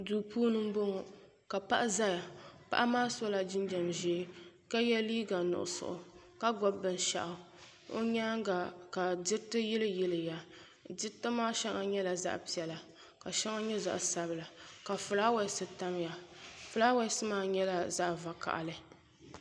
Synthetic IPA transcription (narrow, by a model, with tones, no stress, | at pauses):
duː˨pʰuː˦nɨ˦m̩˦bo˦ŋɔ˨ | ka˨pa˦ʔa˦za˦ja˨pa̰˦ʔa˦maː˦so˦la˨d͡ʒɪ˦nd͡ʒɛ˨mʒi˦ | ka˦jɛ˦liː˦ɡa˨nʊ̰˨ʔʊ̰˨sʊ̰˨ʔʊ̰˨ | ka˦ɡɔ˦bːɨ˨n˨ʃa̰˨ʔʊ˨ | o̰˦ɲa˦ŋ˦ɡa˨ka˨dɪ˦tɨ˦jɪ˦lɨ˦jɪ˦lɨ˨ja˨ | dɪ˦tɨ˦maː˦ʃɛ˦ŋa˨ɲɛ˦la˨za̰˦ʔpi˨ɛ˨la˨ | ka˨ʃɛ˦ŋa˦ɲɛ˦za̰˨ʔsa˦bɨ˨la˨ka˨fʊ˨laː˦wɛ˦˨˦sɨ˨ta˦m˦ja˨fʊ˨laː˦wa˦sɨ˦maː˦ɲɛ˦la˦za˦ʔva˨ka̰˨ʔa̰˨lɨ˨